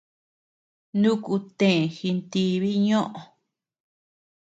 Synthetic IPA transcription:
nũ˦ku˧t̪ẽ˨xi˧nt̪i˧βi˦ɲõ˦ʔõ˨˧

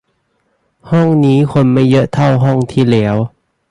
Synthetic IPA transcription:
hɔ˥˩ŋniː˦˥kʰo˧nma˥˩jɤ˦˥ʔt̪ʰa˥˩wɦɔ˥˩ŋt̪ʰiː˥˩lɛː˦˥w

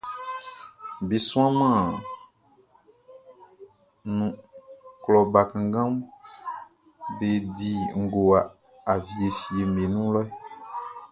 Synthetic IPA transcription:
be˨sũ˦a˦mã˦˨ | nũ˨klɔ˨ba˨kã˨ɡã˦m | be˨di˦ŋ̩˦˨ɡo˨a˨ | a˨vi˨e˨fi˨e˨me˨nũ˦lɔ˦ɛ˦

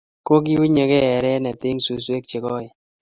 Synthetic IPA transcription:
ko˦k̬i˦u˦ɲe˨kɛ˦ɛ˨ɾɛ˦nɛ˨t̪ɪ˦ŋsu˨swe˦k̚t͡ʃe˨kɔ˦ɪ˨

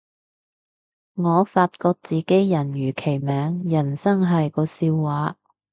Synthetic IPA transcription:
ŋɔː˨˧faː˧t̚kɔː˧k̚t͡siː˨ke˨˥jjɐ˨˩njyː˨˩kʰe˨˩jmɛː˨˧ŋjɐ˨˩nsɐ˥ŋɦɐ˨jkɔː˧siː˧wwaː˨˥

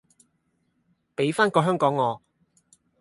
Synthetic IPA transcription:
pe˨˥jfaː˥nkɔː˧ɦœː˥ŋkɔː˨˥ŋːɔː˨˧

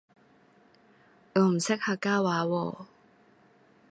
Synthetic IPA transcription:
ŋɔː˨˥m̩˨˩sɪ˥k̚haː˧kːaː˥waː˨˧˦wɔː˧

